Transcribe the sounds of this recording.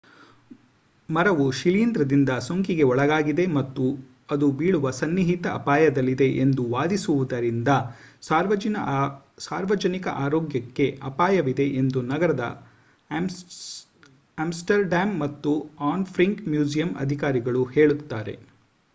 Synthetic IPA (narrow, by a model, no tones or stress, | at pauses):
mɐɾɐʋuʃiliːnd̪ɾɐd̪ind̪ɐsoŋkiɡe̞ɔɭɐɡaːɡid̪e̞mɐt̪ːu | ɐd̪ubiːɭuʋɐsɐnːiɦit̪ɐʔɐ̰paːjɐd̪ɐlːid̪e̞ʔend̪uʋaːd̪isuʋud̪ɐɾind̪ɐsaːɾʋɐɐ | saːɾʋɐd͡ʒɐnikɐ̰ʔaːɾoːɡjɐkːe̞ɐpaːjɐʋid̪e̞ʔend̪unɐɡɐɾɐd̪ɐ̰ | aːmsʈɐɾɖaːmːɐt̪ːuaːnpʰɾiŋkmjuːd͡ʒijɐmɐ̰d̪ʱikaːɾiɡɐɭuheːɭut̪ːaːɾe̞̰